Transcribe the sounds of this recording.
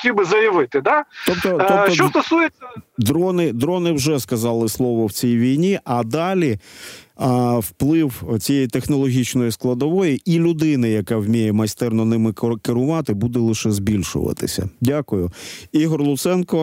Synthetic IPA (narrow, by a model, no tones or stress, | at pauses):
tʲibɪzɐjɐʋɪt̪ɪd̪ɑt̪ɔp̚t̪ɔt̪ɔɔt͡ʃɔst̪ɔsujed̪ɾɔnɪd̪ɾɔnɪwʒɛskɐzɑlˠɪslˠɔʋɔwt͡sʲijʋʲijnʲiʔɐd̪ɑlʲi | wplˠɪwt͡sʲijɛjt̪exnɔlˠɔɦʲit͡ʃnɔjisklˠɐd̪ɔʋɔjiilʲʊd̪ɪnɪjɐkɑwmʲijɛmɐst̪ɛrnɔnɪmɪkɪɾʊʋɑt̪ɪbud̪ɛlˠɪʃɛzbʲilʲʃʊ̰ʋɐ̰t̪ɪ̰sʲɐ̰dʲakʊjʊiɦɔrlˠʊt̪sɛnkɔ